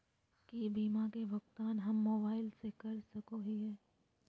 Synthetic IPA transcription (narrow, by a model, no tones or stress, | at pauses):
kibiːmakebʊkt̪aːnɦɐmːoːbaːɪlsekɐɾsɐkoɦiɦɛː